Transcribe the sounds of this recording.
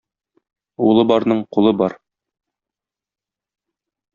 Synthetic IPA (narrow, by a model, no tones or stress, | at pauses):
ulˠɤbɒɾnɤɴqulˠɤbɒɾ